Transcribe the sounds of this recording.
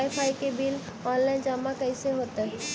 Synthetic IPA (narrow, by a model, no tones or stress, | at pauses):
ɪpʰaːikebɪl | ɔːnlaːɪnd͡ʑaːmːakəɪseɦot̪ə